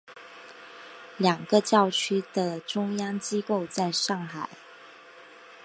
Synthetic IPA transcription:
ljɑ˨˩ŋɡ̥ə˦t͡ɕjɑ˥˩ʊt͡ɕʰy˥d̪ə˨ʈ͡ʂʊ˥ŋjɑ˥ŋt͡ɕi˥ko˥˧ʊt͡sa˥˧ɪʂɑ˥˩ŋxa˨˩˦ɪ

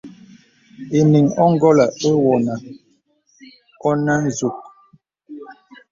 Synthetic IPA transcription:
e˨ni˨ŋɔ˦ŋ˦ɡɔ˦la˨e˦wɔ˨na˨ | ɔ˦na˦n˨zu˨k̚

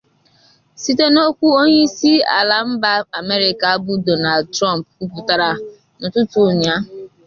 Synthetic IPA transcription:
si˦te˦no˦kʷu˦o˦ɲe˦i˦si˦a̰˨la˨m̩˦ba˦a˨me˦ɾɪ˨ka˨˦bʊ˦dɔ˨na˨ldtɾɔ˦m˨pku˦pʊ˨ta˨ɾa˨ | nʊ˨tʊ˦tʊ˨ɲa˦

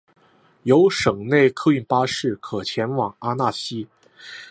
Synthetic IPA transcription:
jo˧˥ʊʂɤ˨˩ŋne˥˩ɪkʰɤ˥˧y˥˩npa˥ʂɻ̩˥˩kʰɤ˨˩t͡ɕʰjɛ˧˥nwɑ˨˩ŋa˥na˥˩ɕi˥

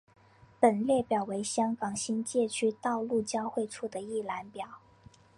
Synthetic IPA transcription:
pə˨˩nljɛ˥˩pjɑ˨˩ʊwe˧˥ɪɕjɑ˥ŋkɑ˨˩ŋɕi˥nt͡ɕjɛ˥˩t͡ɕʰy˥t̪ɑ˥˧ʊlu˥˩t͡ɕjɑ˥ʊxwe˥˧ɪʈ͡ʂʰu˥˩d̪ə˩i˥˩la˧˥npjɑ˨˩˦ʊ

